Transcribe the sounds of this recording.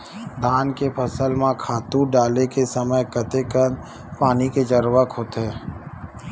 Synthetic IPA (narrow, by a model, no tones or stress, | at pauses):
d̪ʱaːnkepʰɐsəlmãkʰaːt̪ũɖaːlekesəməjkət̪ekən | paːniked͡ʒəɾʋəkʰoːt̪ɦeː